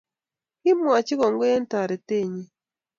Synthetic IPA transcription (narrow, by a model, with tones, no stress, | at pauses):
ki˦mwa˨t͡ʃi˦ɣo˨ŋɡo˦je˦nta˨ɾe˨te˦˨ɲe˦